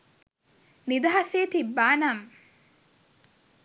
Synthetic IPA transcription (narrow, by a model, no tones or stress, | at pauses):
nid̪ɐɦaseːt̪ibːaːnam